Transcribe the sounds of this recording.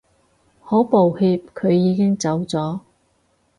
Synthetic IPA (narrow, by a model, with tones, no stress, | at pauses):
hɔː˨˥po˨whiː˧p̚kʰɵ˨˧ɥjiː˨˧kɪ˥ŋt͡sɐ˨˥wt͡sɔː˨˥